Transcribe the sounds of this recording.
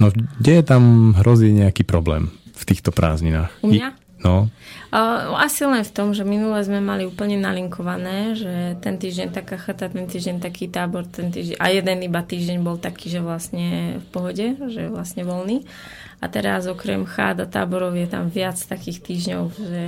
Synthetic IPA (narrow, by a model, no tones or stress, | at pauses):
nɔɡɟɛjɛt̪amɦɾɔziːɲɛakiːpɾɔblɛ̰ːmft̪iːxt̪ɔpɾʔa̰ːzɲinaːxumɲa | nɔ | asilɛnft̪ɔmʒɛminulɛzmɛmaliuːpl̩ɲɛnaliŋkɔʋanɛːʒɛt̪ɛnt̪iːʒɟɛɲt̪akaxat̪at̪ɛnt̪iːʒɟɛnt̪akiːt̪aːbɔɾt̪ɛnt̪iːʒɛʔa̰jɛd̪ɛnibat̪iːʒɟɛɲbɔlt̪akiːʒɛʋlasɲɛfpɔɦɔɟɛʒɛjɛʋlasɲɛʋɔlniː | a̰t̪ɛɾazɔkɾɛmxa̰ːd̪at̪a̰ːbɔɾɔʊjɛt̪a̰mʋɪat͡st̪akiːxt̪iːʒɲɔʊʒɛ